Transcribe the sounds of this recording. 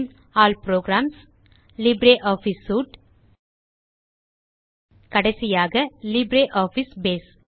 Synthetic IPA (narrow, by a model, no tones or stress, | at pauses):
n | aːlpɾoːɡɾaːms | lɪbɾeːʔaːfisuːʈ | kɐɽɐɪsɪjaːɣɐlɪbɾeːʔaːfisbeːs